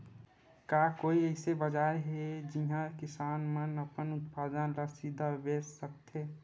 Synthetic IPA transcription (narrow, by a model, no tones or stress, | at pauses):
kakoːiəɪsebəd͡ʒaːɾɦed͡ʒiɦãkɪsaːnmənəpənʊt̪pʰaːd̪ənləsid̪ʱabessəkt̪ʰe